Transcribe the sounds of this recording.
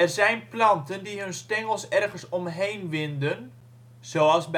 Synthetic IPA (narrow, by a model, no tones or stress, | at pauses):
ɛrzɛjnplɑntəndiɦønstɛŋəlˠsɛrɣənsɔmɦejnʋɪndən | z̥oːɑlˠsb